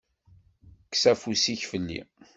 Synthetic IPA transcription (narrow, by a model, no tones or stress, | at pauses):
ksæfusiçfəlːḭ